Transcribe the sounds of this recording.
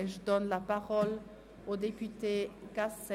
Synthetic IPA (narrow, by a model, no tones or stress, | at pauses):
eʒəd̪ɔnlapaʁɔl | od̪epyt̪ekasɛ